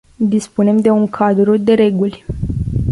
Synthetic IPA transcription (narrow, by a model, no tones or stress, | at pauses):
d̪ispune̞md̪e̞uŋkʰad̪ɾud̪e̞ɾe̞ɡulʲ